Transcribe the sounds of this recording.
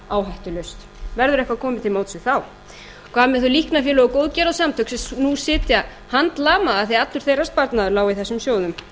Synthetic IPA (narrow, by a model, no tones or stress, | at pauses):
aːwɦajht̪ʏlʏɥst̪ | vɛɾðʏɾɛjhkvakʰɔːmɪt̪ʰɪlmoːwt̪sʏɣθaw | kʰvamɛθulihknafjɛːlʏɔkowðcɛːɾasamt̪ʰœksɪnusɪːt̪ja | hant̪laːmaaθejat̪lʏɾ̥θejras̚paɾt̪naðʏɾlaːwiθɛsːʏmsjoːwðʏm